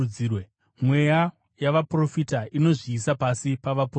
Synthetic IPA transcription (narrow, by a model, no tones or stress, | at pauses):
iwe | mweja | jaʋapro̞fitaino̞ʐiːsapasipaʋapo